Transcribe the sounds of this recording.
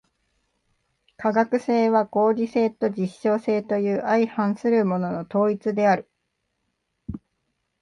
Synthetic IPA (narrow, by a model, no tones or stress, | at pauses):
kaɡakɯ̟se̞ːβaɡo̞ːɾʲise̞ːt̪o̞d͡ʑiɕːo̞ːse̞ːt̪o̞jɯ̟ːaihãɰ̃sɨɾɯ̟mo̞no̞no̞t̪o̞ːit͡sɨd̪e̞aɾɯ̟